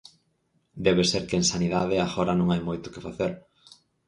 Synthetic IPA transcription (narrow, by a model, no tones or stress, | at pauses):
d̪ɛβeseɾkɪeŋsaniðaðɪaɣɔɾɐnõŋajmojt̪ʊ̥kɪfaθeɾ